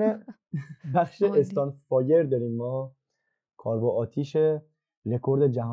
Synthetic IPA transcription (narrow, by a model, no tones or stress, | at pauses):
e | bæχʃeːst̪ɒnfɒːjeɾd̪ɒɾiːmːɒː | kʰɒːɾbɔʔɒːt̪ʰiːʃe | ɾekʰoɾd̪ed͡ʒæɦɒ